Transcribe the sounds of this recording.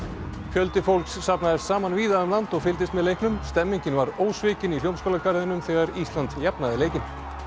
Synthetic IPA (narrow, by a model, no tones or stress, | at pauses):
fjœlt̪ɪfowlksːapnaðɪst̪saːmanviːðaʏmlant̪ɔɣfɪlt̪ɪst̪mɛðlejhknʏmst̪ɛmːiɲcɪnvaɾoːwsvɪːcɪniljowmskowlakʰaɾðɪnːʏmθɛːɣaɾist̪lant̪japnaðɪleːjcɪn